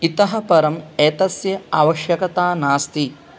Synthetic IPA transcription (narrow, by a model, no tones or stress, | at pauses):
it̪ɐɦɐpɐɾɐmeːt̪ɐsjɐaːʋɐʃjɐkɐt̪aːnaːst̪i